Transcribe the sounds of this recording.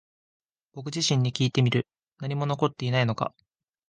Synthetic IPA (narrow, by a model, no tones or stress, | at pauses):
b̥o̞k̬ɯ̟ʑiɕĩɲ̟ːikʲiːt̪e̞mʲiɾɯ̟ | naɲ̟imo̞no̞ko̞t̪ːe̞inaino̞ka̰